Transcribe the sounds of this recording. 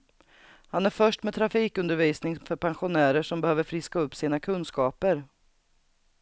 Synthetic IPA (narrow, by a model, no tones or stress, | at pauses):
hanæɾfœʂʈmɛt̪ʰɾafiːkɵnd̪əɾviːsnɪŋfœɾpʰɛnɧʊnæːɾəʂɔmbɛhøːvəɾfɾɪskaɵpːsiːnakʰɵnskɑːpəɾ